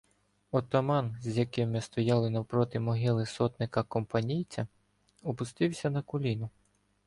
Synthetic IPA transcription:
ɔt̪ɔmɑnzʲjɐkɪmɪst̪ɔjɑlˠɪnɐwpɾɔt̪ɪmɔɦɪlˠɪsɔt̪nɪkɐkɔmpɐnʲijt͡sʲɐ | ɔpʊst̪ɪwsʲɐnɐkɔlʲinʊ

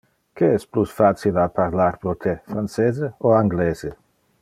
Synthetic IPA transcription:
keɛsplusfat̪t͡silapaɾlaɾpɾot̪ʰefɾant͡seːzeoaŋɡlɛːze

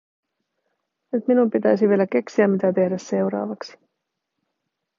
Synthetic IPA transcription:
nyt̪minumpit̪æjs̬iʋie̞læk̟e̞ksiæmːit̪æt̪e̞hdæsse̞wɾɑ̰ːʋɑksi̥

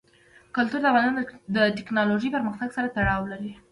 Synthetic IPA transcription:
kʊlt̪uɾd̪əavɣɑnsɑnd̪əʈɪknɑloʒəjpəɾməxt̪aɡsaɾat̪aɽɑwlaɾi

